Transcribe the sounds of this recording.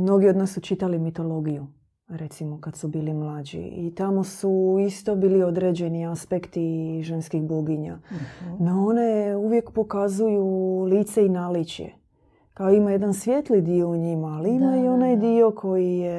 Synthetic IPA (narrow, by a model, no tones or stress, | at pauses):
mno̞ɡiod̪naːsːut͡ʃit̪alimit̪o̞lo̞ɡiju | ɾe̞t̪simo̞kad̪subiːlimlˠad͡ʒḭit̪amo̞suist̪o̞biːlio̞d̪ɾe̞d͡ʑe̞niaspekt̪iʒe̞nskiɣboɡiɲa̰noo̞ne̞uʋje̞kpo̞kazujuliːt̪seinalit͡ɕjḛ | kaoimaje̞d̪ansʋʲjet̪lid̪io̞uɲimaːliimaio̞najd̪io̞kʰo̞jije